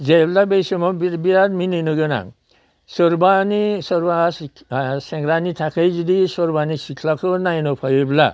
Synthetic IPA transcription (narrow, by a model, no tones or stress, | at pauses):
zejblabejsemɔbbiadminɯnɯɡɯna̰ŋ | sɔɾbanisɔɾbas | sɛŋɡɾanit̪ʰakʰejzid̪isɔɾbanisikʰlakʰɯnajnɔpʰajebla